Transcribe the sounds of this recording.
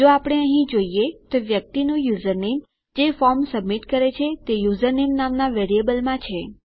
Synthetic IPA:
d͡ʒoapɽ̃eəɦĩd͡ʒoijet̪oʋjək̚t̪inũjuzəɾnem | d͡ʒefɔɾmsəbmiʈkəɾet͡ʃʰet̪ejuzəɾnemnamnaʋeɾiebəlmãt͡ʃʰe

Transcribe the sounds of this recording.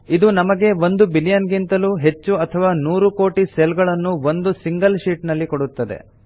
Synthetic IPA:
id̪unɐmɐɡe̞ʋo̞nd̪ubilijɐnɡint̪ɐluɦe̞t͡ʃːuɐt̪ʰɐʋaːnuːɾuko̞ːʈiselɡɐɭɐnːuʋo̞nd̪usiŋɡɐlʃiːʈnɐlːikoɽut̪ːɐd̪e̞̰

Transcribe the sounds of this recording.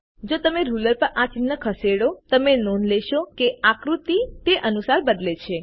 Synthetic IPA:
d͡ʒot̪əmeɾuləɾpəɾʔãt͡ʃinːəkʰəseɽot̪əmenonleʃokeakɾut̪it̪eʔənusaɾbəd̪let͡ʃʰe

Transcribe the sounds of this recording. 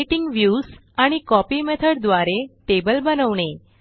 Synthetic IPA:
ʈiŋɡʋjuz | aɽ̃ikɔpimɛt̪ʰəɽd̪ʋaɾeʈebəlbənəʋɳe

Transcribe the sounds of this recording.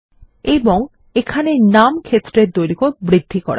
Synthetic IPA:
eboŋ | ekʰanenamkʰet̪ːɾeɾt̪ojɾikoɾbɾid̪ʱːikɔ̰ɾa̰

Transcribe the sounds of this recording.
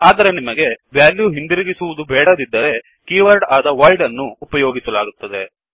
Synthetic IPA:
aːd̪ɐɾe̞nimɐɡe̞ʋjaːljuɦind̪iɾiɡisuʋud̪ubɛːɽɐd̪id̪ːɐɾe̞ | kjiːʋɐɾɖaːd̪ɐʋɐjɖɐnːuːpɐjoːɡisɐlaːɡut̪ːɐd̪e̞

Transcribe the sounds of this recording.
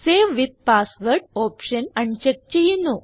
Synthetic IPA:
seʋʋid̪̚pasʋəɾʈ̚opɕənɐɳt͡ɕek̚t͡ɕejinu

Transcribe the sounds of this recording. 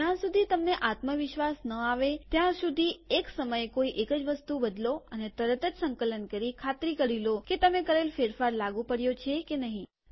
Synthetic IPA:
ãsud̪ʱit̪əmneʔat̪məʋɪʃʋasnəaʋet̪jãsud̪ʱieksəməjkoiʔekəd͡ʒʋəst̪ubəd̪loənet̪əɾət̪əd͡ʒsəŋkələnkəɾikʰat̪ɾikəɽiloket̪əmekəɾelfeɾfaɾlaɡũpəɽjot͡ʃʰekenəɦĩ

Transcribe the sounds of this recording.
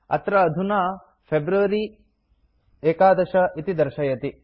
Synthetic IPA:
ɐ̰t̪ɾɐːd̪ʱunaː | pʰebɾuʋɐɾi | eːkaːd̪ɐʃɐʔit̪id̪ɐɾʃɐjɐt̪i

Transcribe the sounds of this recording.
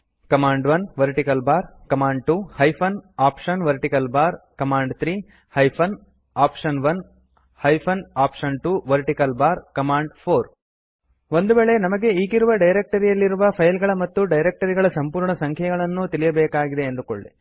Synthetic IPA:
kɐmaːɳɖʋɐnʋɐɾʈikɐlbaːɾkɐmaːɳɖʈuːhɐjpʰɐnaːpʂɐnʋɐɾʈikɐlbaːɾkɐmaːɳɖt̪ɾiː | hɐjpʰɐn | aːpʂɐnʋɐn | hɐjpʰɐnaːpʂɐnʈuːʋɐɾʈikɐlbaːɾkɐmaːɳɖpʰoːɾ | ʋo̞nd̪ubeːɭe̞nɐmɐɡe̞iːɡiɾuʋɐɖɐjɾek̚ʈɐɾijɐlːiɾuʋɐpʰɐjlɡɐɭɐmɐt̪ːuɖɐjɾek̚ʈɐɾiɡɐɭɐsɐmpuːɾɳɐsɐŋkʰɐɡɐɭɐnːut̪ilijɐbɛːkaːɡid̪e̞ːnd̪uko̰ɭːe

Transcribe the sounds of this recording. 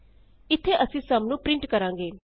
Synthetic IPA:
ɪt̪ʰːeːʔəsĩːsaːmnũːpɾɪ̃ɳʈkəɾãːŋɡeː

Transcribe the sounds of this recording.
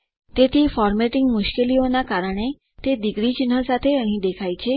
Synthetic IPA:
t̪et̪ʰifɔɾmeʈiŋɡmʊʃkelionakaɾəɳ̃e | t̪ed̪ikɾit͡ʃnɦəsat̪ʰeəɦĩd̪ekʰajt͡ʃʰe

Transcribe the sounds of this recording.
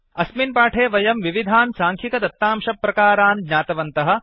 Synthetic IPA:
ɐsminpaːʈʰeːʋɐjɐmʋiʋid̪ʱaːnsaːŋkʰikɐd̪ɐt̪ːaːmʃɐpːɾɐkaːɾaːnɡɲaːt̪ɐʋɐnt̪ɐɦɐ̆

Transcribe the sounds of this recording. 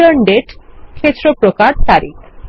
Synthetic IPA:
əɾɳɖeʈkʰet̪ːɾopɾokaɾt̪aɾḭk

